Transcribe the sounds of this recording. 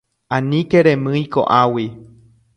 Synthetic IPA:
ãnĩkeɾẽmɨ̃iko̰ʔawi

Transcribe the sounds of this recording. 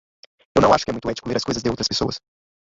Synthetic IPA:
ewnɐ̃w̃aʃʊ̥kɪɛũj̃t̪uɛt͡ʃi̥kuleɾɐskojzɐzd̪ɪowt̪ɾɐspe̥so̰ɐ̰s

